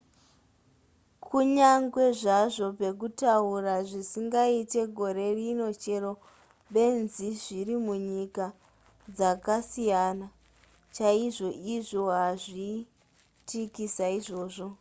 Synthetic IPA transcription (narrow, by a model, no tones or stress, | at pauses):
kʰuɲaŋɡwe̞ʐaʐo̞pe̞k̬utauraʐisiŋɡaite̞ɡʱo̞ɾe̞rino̞t͡ʃe̞ɾo̞ | ɓe̞nziʐirimuɲika | d͡zakasijana | t͡ʃaiʐo̞ʔiʐo̞ɦaʐi | tikisaiʐo̞ːʐo̞